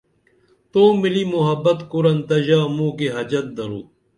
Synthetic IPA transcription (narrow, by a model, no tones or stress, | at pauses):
t̪oːmilimuɦɐbːɐt̪kuɾɐnt̪ɐʑaːmũːkeɦɐd͡ʑɐt̪̚d̪ɐɾṵː